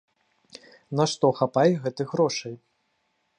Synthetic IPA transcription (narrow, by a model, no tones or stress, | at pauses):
naʂt̪ɔxapajɣɛt̪ɨɣɾɔʂɐj